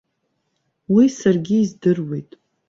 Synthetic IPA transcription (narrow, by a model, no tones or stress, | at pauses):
wisarɡʲiːzdɨrwe̞jtʼ